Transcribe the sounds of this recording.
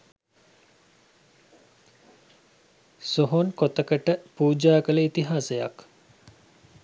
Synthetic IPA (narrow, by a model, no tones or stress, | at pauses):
soɦonkot̪əkəʈəpuːd͡ʒaːkələit̪iɦaːseja̰k